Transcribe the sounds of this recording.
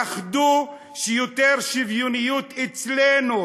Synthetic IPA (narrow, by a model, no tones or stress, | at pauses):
aχd̪u | ʃejot̪eʁʃivjunijut̪et͡slenu